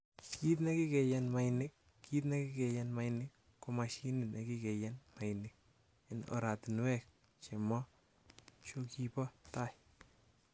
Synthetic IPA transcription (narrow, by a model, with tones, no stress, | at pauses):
ki˦t̬ne˦ki˦kɛ˨jɛnma˦jnɪ˦k̚ː | it̪̬ne˦ki˦kɛ˨jɛnma˦jnɪ˦kːomaʃi˦nɪ˨ne˨ki˦ke˨jɛnma˨jnɪ˦k̚ | i˨no̰˨ɾa˨ti˨nwɛ˦k̚ | t͡ʃe˨mɔ˦ | t͡ʃoki˦pɔ˦ta˦˨j